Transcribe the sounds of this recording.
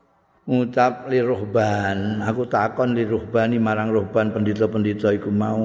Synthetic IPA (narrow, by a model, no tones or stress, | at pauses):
ŋut͡ʃap̚lirohbanakut̪akɔnliɾuhbanimaɾaŋrohbanpəndit̪ɔpəndit̪ɔikumau